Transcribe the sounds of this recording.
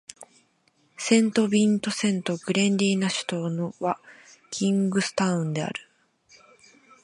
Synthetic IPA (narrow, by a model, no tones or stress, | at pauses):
sẽ̞nt̪o̞bʲĩnt̪o̞sẽ̞nt̪o̞ɡ̥ɯ̟ɾẽ̞ndʲiːnaɕɨ̥t̪o̞ːnoβakʲʰĩŋɡɯ̟sɨ̥t̪aɯ̟̃nd̪e̞a̰ɾɯ̟